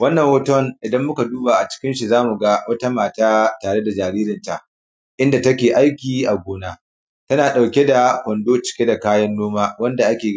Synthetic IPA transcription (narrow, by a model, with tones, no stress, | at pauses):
wɐ˦nːɐ˨ŋwɐ˦tɔ˦nʔɪ˨dɐ˦mːʊ˦ka˨duː˦baː˨ʔa˨t͡ʃɪ̥˦kʲɪ˦nʃi˨zaː˦mu˨ɡa˦wɐ˦ta˦maː˨taː˦taː˨ɽe˦da˨d͡ʒaː˨ɾiː˦ɾɪ˨nta˨ʔ | ʔɪ˦nda˨tɐ˦kʲeː˨ʔa˦jkʲiː˨ʔa˨ɡʷoː˨naː˦ | tɐ˦naː˨ɗa˨wkʲe˦da˨kʷɔ˨ndoː˦t͡ʃɪ̥˨kʲe˦da˨kaː˦jɐ˦nːoː˦maː˦wɐ˦nda˨ʔa˦kʲeː˨